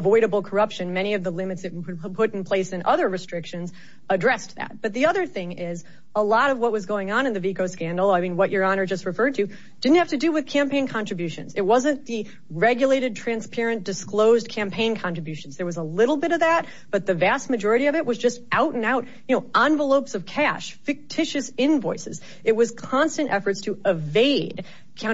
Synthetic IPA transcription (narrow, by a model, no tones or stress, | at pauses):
vɔɪɾɨbl̩ˠkʰə˞ʌpʃɨ̃nmɛɾ̃iʌvðəlɪ̃mɨtsɨpʰʊɾn̩pʰl̥eɪsɨ̃nʔʌðə˞ɹɨstɹ̥ɪkʃɨ̃nz | ədɹɛstðæ̰t̚b̥ʌt̪̚ðiʌðə˞θɪ̃ŋɪz | əlɔɾʌvwʌt̚wʌzɡoʊɪ̃ŋə̃nɨ̃nðɨvikoʊskæ̃ndˡl̩ˠaɪmĩnwʌt͡ʃə˞ɑnə˞d͡ʒʌst̚ɹɨfɜ˞d̚tʰɨ | d̥ɪdⁿn̩t̚hæftɨdɨwɨð̥kʰæ̃mpʰẽɪ̃nkʰɑ̃ntɹ̥ɨbjʉʃɨ̰̃nzɨt̚wʌzɨ̃nðɨ | ɹɛɡjɨleɪɾɨd̚tʰɹ̥æ̃nspʰɛɹɨ̃nd̥ɨskloʊzkʰæ̃mpʰẽɪ̃nkʰɑ̃nɹ̥ɨbjʉʃn̩zðə˞wʌzəlɪɾl̩ˠbɪɾʌvðæt̚ | b̥ʌt̪̚ðɨvæst̚mɨd͡ʒɔɹɨɾiʌvɨʔ̚wʔʌzd͡ʒʌstʔaʊɾ̃naʊɾjɨnoʊʔɑ̃nvəloʊpsʌv̥kʰæʃfɨk̚tʰɪʃɨsɪ̃nvɔɪsɨ̰z | ɨt̚wʌz̥kʰɑ̃nstɨ̃ntʔɛfə˞tstʰɨɪveɪd̥ | kʰ